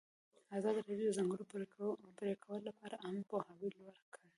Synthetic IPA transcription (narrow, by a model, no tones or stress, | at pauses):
azɑd̪ɾabijd̪zaŋɡəɽopɾekpɾekʰawəlolapɑɾaʔampohɑwilwaɾkʰəɽe